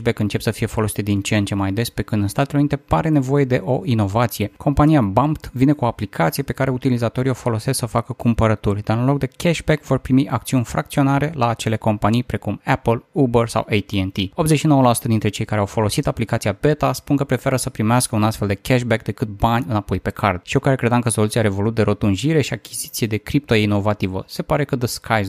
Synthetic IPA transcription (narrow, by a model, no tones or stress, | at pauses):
bekɨnt͡ʃe̞psəfije̞fo̞lo̞si̥t̪d̪int͡ʃent͡ʃe̞majd̪e̞spe̞kɨnd̪ɨnst̪at̪eleunit̪epaɾe̞ne̞vo̞je̞d̪e̞ʔo̞ino̞vat̪sije̞kʰo̞mpanijabampt̪vine̞kuo̞aplikʰat̪sijepe̞kaɾe̞ut̪ilizat̪o̞ɾio̞fo̞lo̞se̞sksəfakəkumpəɾət̪urʲd̪aɾɨnlo̞k̚d̪e̞kʲeʃbekvo̞rpɾimiʔak̚t̪siunʲfɾakt̪sio̞naɾe̞laːt͡ʃe̞le̞ko̞mpanijpɾe̞kumɛpəlubərsa̰wejt̪ient̪io̞bzeʃino̞wəlasu̥t̪əd̪int̪ɾe̞t͡ʃe̞jkaɾeawfo̞lo̞sit̪aplikat̪siabe̞t̪aspunkəpɾe̞fe̞ɾəsəpɾimeaskəunast̪feld̪e̞kʲɛʃbek̚d̪e̞kɨt̪̚banʲɨnapo̞jpe̞kʰard̪ʃiokaɾekɾed̪amkəso̞lut̪siaɾe̞vo̞lut̪̚d̪e̞ɾot̪unʒiɾe̞ʃiakʲiz̥it̪sije̞d̪e̞kɾip̚t̪o̞ino̞vat̪ivə̰se̞paɾe̞kəd̪əskʰaj